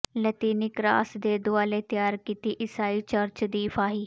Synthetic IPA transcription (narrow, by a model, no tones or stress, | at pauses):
lət̪iːnɪkɾa̰ːsd̪eːd̪ʊaːleːt̪ɪjaːɾkiːt̪iːʔɪsaːiːt͡ʃəɾt͡ʃd̪iːpʰaːɦiː